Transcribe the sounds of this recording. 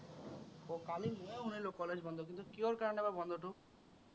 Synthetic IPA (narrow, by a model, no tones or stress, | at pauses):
okalimoeɦunelokɔled͡ʒbɔnd̪ʱok̬int̪ukioɾkaɾɔnebabɔnd̪ʱoʈu